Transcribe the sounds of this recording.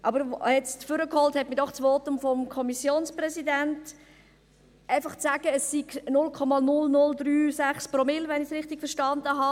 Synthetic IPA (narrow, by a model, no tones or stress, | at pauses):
ʔɑbəɾhɛtt͡stfʏɾəkhɔlthɛtmɪdɔχt͡sʋɔtʊmfɔmkʰɔmisjoːnsprɛsidænt | ʔæɪfɑχt͡sæːɡ̥əəsːiɡnʊlkʰɔmɑnʊlnʊld̪ɾyːsæχspɾomɪlʋɛnɪçsɾɪχtɪɡ̥fəʃtɑnd̪əɦɑ